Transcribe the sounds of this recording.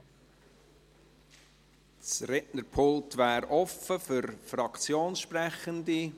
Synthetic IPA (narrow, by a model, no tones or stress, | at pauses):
t͡srɛʔnəɾpʰʊlˠtvæːɾɔfəfʏɾfrɑkt͡sjoːnsʃprɛχəndi